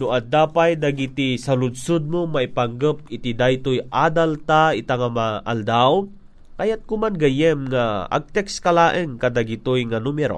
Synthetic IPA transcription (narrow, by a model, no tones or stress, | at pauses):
nʊʔad̪aːpajd̪aɡit̪isɐlʊd̪sʊd̪̚momaipaŋɡəp̚ɪt̪id̪ajt̪ojʔaːd̪alt̪aɪt̪aŋamaʔa̰ld̪aw | kajat̪̚kʊmanɡajɛmŋaa̰ɡ̚t̪ɛkskalaːʔɛŋkad̪aɡit̪ojŋanumɛɾo̰